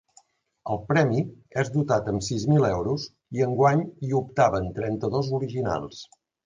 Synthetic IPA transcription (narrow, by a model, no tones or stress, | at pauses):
əlˠpɾɛmiezd̪ut̪at̪əmsizmilɛwɾus | iəŋɡwaɲiup̚t̪aβənt̪ɾɛnt̪əðozuɾiʒina̰lˠs